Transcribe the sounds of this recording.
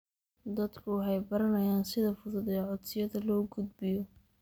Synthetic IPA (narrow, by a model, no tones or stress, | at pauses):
d̪ɐd̪kʰʊħɛjbɐɾɐnɐjaːnsɪðɐfʊðʊd̪ɛːʕɔd̪sɪjɐðɐlɔːɡʊd̪̚bɪjɔ